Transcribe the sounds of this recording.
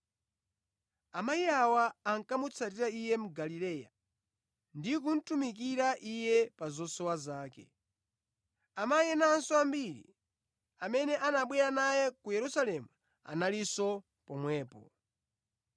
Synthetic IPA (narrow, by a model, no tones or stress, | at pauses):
amaiawaːŋkamut͡sʰat̬iɾaijɛmuɡalilɛːja̰ | ndik̬un̩tumik̬iɾaʔijɛpazɔsɔwazaːkɛ̰ | amajɛnansɔambiɾḭ | amɛnɛʔanaɓwɛɾanajɛkujɛɾusalɛmu | a̰nalisɔ | pɔmwɛːpɔ̰